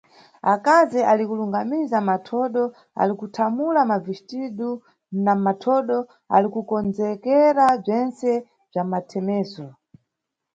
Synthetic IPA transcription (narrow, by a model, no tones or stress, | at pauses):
akazialikuluŋɡamizamatʰɔɗɔ | a̰likutʰamulamaviʃtiɗu | namatʰɔɗɔ | a̰likukɔnd͡zɛkɛɾab͡ʐɛnsɛ | b͡ʐamatʰɛmɛːsɔ